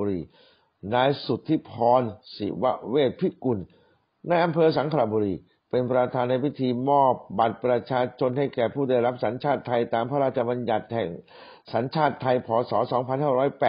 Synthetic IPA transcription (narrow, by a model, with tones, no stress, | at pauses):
ɾiː˧ | naː˦˧˥jsu˨˩t̪ʰːiː˥˩pʰɔː˧nsḭ˨˩˦wa̰˦˥weː˥˩t̪̚pʰi˦˥ku˧˩nː | a˧jʔa˧mpʰɤː˧sa˩˦ŋkʰɾa˨˧˩buː˧ɾiː˧ | pe˧npɾa˧t̪ʰaː˧nːa˧jpi˦˥t̪ʰiː˧mɔː˥˩p̚ba˨˩t̪̚pɾa˧t͡ɕʰaː˧t͡ɕʰo˧nha˥˩jkɛː˨˩pʰuː˥˩da˥˩jɾa˦˥p̚sa˩˦nt͡ɕʰaː˥˩t̪ʰːa˧jt̪aː˧mpʰa˥˧ɾaː˥˩t̪̚t͡ɕʰa˧ba˧nja˨˩t̪̚hɛ˨˩ŋ | sa˩˦nt͡ɕʰaː˥˩t̪ʰːa˧jpʰɔː˩˦sɔː˩˦sɔː˩˦ŋpʰa˧nɦaː˥˩ɾɔː˦˥jpɛː˨˩